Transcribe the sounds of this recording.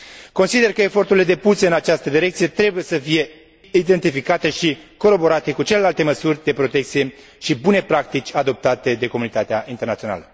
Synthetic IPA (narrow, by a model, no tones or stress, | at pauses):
ko̞nsid̪e̞rkəe̞fo̞rt̪uɾile̞d̪e̞puseɨnat͡ʃast̪əd̪iɾe̞k̚t̪sije̞t̪ɾe̞buje̞səfije̞ | id̪e̞nt̪ifikat̪e̞ʃiko̞ɾo̞bo̞ɾat̪e̞kut͡ʃe̞le̞lalt̪e̞məsurʲd̪e̞pɾo̞t̪ek̚t̪sije̞ | ʃibune̞pɾak̚t̪it͡ʃʲad̪o̞p̚t̪at̪e̞d̪e̞ko̞munit̪at̪eaʔint̪ernat̪sio̞na̰lə